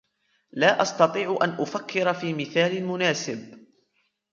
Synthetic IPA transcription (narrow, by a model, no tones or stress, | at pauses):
laːʔɑst̪ɑt̪ˤiːʕʔanʔʊfakʰːɪɾafiːmɪθaːlɪlmʊnaːsɪb